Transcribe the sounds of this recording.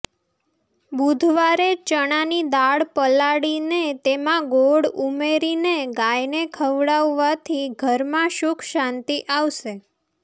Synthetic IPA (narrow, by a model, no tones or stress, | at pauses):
bud̪ʱʋaɾet͡ʃəɽ̃anid̪aɭpəlaɽinet̪emãɡoɽumeɾineɡajnekʰəʋɽaʋːat̪ʰiɡʱəɾmãʃukʰʃãnt̪iʔaʋʃe